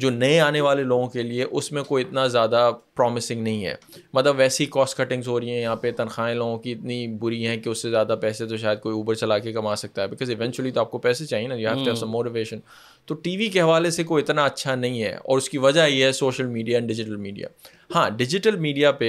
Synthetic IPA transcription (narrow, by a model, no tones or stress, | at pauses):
d͡ʒoːnɐẽaːneʋaːleloːɡõkelieʔʊsmẽkoːiɪt̪nazjaːd̪apɾɔːmɪsɪ̃ŋɡnɐɦĩɦɛ̰ː | mɐt̪ləbʋɛːseɦikɔːsʈkɐʈɪ̃ŋzɦoːɾɐɦiɦɛ̃jɐɦãːpet̪ɐnxaːẽloːɡõkiɪt̪nibʊɾiɦɛ̃keʊsːezjaːd̪apɛːset̪̬oʃ̬aːjəd̪̚koːiuːpəɾt͡ʃɐlaːkekɐmaːsɐk̚t̪aɦɛbɪkɔːzɪʋɛ̃nt͡ʃuəlit̪oaːp̚kopɛːset͡ʃaːɦienajeɦɛftɛsɐ̃mːoːʈɪʋeːʃə̃n | t̪oʈiːʋikeɦɐʋaːlesek̬oiɪt̪naɐtːʃʰanɐɦĩɦɛ̰ɔ̰ːɾʊskiʋɐd͡ʒaɦiɦɛsoːʃəlmiːɖijaɛ̃ːɳɖɪd͡ʒɪʈəlmiːɖija̰ː | hãːɖɪd͡ʒɪʈəlmiːɖijape